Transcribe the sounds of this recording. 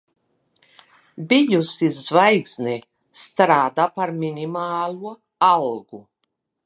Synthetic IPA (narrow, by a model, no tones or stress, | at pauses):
bijusizvajksni | st̪ɾaːd̪aːpaɾminimaːlˠuɔ | alˠɡ̥u